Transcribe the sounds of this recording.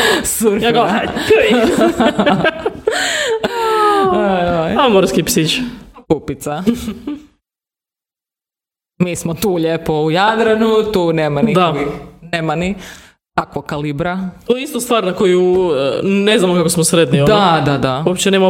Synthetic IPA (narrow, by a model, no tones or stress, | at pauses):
suɾjaɡa | oojojamoɾskipsit͡ʃkupit̪sa | miːsmot̪uːʎepoujad̪ɾanut̪uːneːmanid̪aneːmani | t̪akʋokalibɾat̪ojeist̪ost̪ʋaːɾnakoju | neznamokakosmosɾed̪niod̪ad̪ad̪awopt͡ɕenema